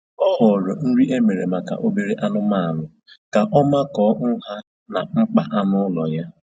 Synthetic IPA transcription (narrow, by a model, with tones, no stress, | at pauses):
ɔ˦ɦɔ˨ɾʊ˨n̩˦ɾi˦ʔe˦me˨ɾḛ˨ma˨ka̰˨ʔo˦be˨ɾe˦ʔa˦nʊ˦ma˨a˨nʊ˨ | ka˨ʔɔ˦ma˦kɔː˨˦ŋ̩˦ɦa˦ | na˨ŋ͡m̩˦k͡pa˦ʔa˦nʊ˦lɔ˨ja˦